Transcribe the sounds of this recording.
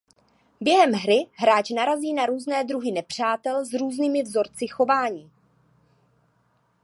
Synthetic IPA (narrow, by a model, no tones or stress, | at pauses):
bjɛɦɛmɦɾɪɦɾaːt͡ʃnaɾaziːnaɾuːznɛːd̪ɾuɦɪnɛpr̝̥aːt̪ɛlzɾuːzniːmɪvzo̞ɾt͡sɪxo̞vaːɲiː